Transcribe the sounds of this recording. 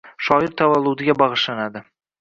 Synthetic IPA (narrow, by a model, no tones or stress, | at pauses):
ʃɒɪɾt̪ʰavalˠːʊd̪ɪɡʲabɑʁɨʃlanad̪ɪ